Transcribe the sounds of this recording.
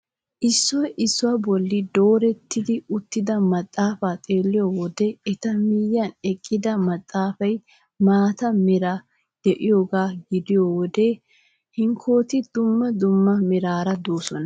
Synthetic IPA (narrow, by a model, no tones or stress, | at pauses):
ʔɪsːɔjɪsːʊwabɔlːɪd̪o̞ːɾɛt̪ːɪd̪ɪʊt̪ːɪd̪ɐmɐt̪ʼːaːfaːt̪ʼe̞ːlːɪjoːwɔd̪ɛɛt̪ɐmiːjːɐnɛkʼːɪd̪ɐmɐt̪ʼːaːfɐj | maːt̪ɐmɪɾa | d̪̥ɛʔɪjoːɡaːɡɪd̪ɪjoːwɔd̪eː | hɪŋkʰo̞ːt̪ɪd̪̥ʊmːɐd̪ʊmːɐmɪɾaːɾɐd̪oːsɔnɐ